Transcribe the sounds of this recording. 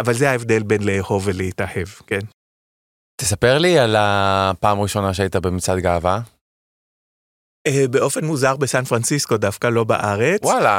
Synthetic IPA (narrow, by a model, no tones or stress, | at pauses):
ʔavalzehaevd̪e̞lbe̞nleːho̞veleitahe̞vken | t̪esapeʁlialapaːmʁiʃo̞naʃeait̪abemit͡sad̪ɡaːva | ebe̞ʔo̞fe̞nmuzaʁbesanfʁansisko̞dafkalo̞ba̰ʔaʁe̞t͡st͡swala